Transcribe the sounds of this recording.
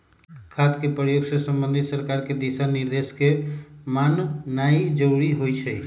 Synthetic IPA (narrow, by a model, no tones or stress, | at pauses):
kʰat̪kepɾəjoɡsesəmbə̃nd̪ʱit̪səɾkaɾked̪isaniɾd̪eskemanːaid͡ʒəwɽiɦojt͡ʃʰɛj